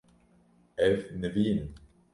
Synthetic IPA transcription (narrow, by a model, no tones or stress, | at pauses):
ɛvnəviːn